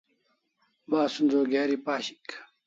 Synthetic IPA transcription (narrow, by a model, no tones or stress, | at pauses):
baːsunzoːɡeːɾipaːɕi̥k